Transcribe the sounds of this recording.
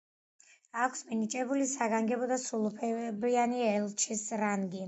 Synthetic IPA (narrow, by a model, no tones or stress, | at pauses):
akʰsminit͡ʃʼɛbulisaɡaŋɡɛbɔd̪asulˠupʰɛbɾianiɛlˠt͡ʃʰisɾaŋɡi